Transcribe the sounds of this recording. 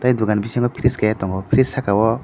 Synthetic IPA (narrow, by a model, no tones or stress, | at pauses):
t̪ajd̪uɡanbisaŋɡɔpʰiɾiskajat̪ɔŋɡɔpʰɾissakawɔ